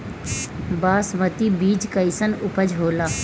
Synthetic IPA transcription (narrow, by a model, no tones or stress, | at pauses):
baːsmət̪ibiːd͡ʒkəɪsənʊpəd͡ʒɦoːlaː